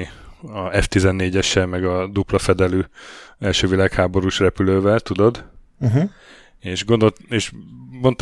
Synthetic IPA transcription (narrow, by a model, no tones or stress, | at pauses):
iɒɛft̪izɛnːeːɟɛʃɛmɛɡɒd̪uplɒfɛd̪ɛlyːɛlʃøːvilaːkhaːbo̞ɾuʃrɛpyløːvɛlt̪ud̪o̞d̪̩ | ɦ | eːʃɡond̪oeːʃbont̪